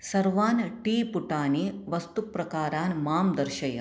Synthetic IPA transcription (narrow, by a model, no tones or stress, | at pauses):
sɐɾʋaːnʈiːpuʈaːniʋɐst̪upɾɐkaːɾaːnmaːmd̪ɐɾʃɐjɐ